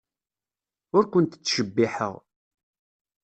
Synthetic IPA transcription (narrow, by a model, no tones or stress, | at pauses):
ʊɾkʷʊnt̪t͡sːʃəbːiħə̰ʁ